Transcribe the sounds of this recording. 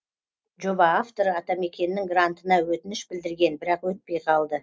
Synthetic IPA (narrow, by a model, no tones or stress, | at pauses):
ʒo̞bɑːft̪o̞ɾɑt̪ɑme̞kʲe̞nɪːɪŋɡrant̪ənɑwɵt̪ɪnɪʃbɪld̪ɪɾɡʲe̞nbɪɾɑqwɵt̪̚pe̞jqʰɑlˠd̪ə